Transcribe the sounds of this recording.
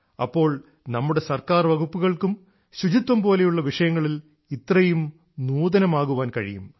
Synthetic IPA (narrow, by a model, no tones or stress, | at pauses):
ɐ̰pːo̞ːɭ | nɐmːuɽe̞sɐrkaːrʋɐɣupːuɣɐɭkum | ɕut͡ɕit̪wɐmpo̞ːle̞juɭːɐʋiʂɐjɐŋːɐɭil | it̪ːrɐjum | nuːd̪ɐnɐmaːɣuʋaːnkɐɻḭjṵm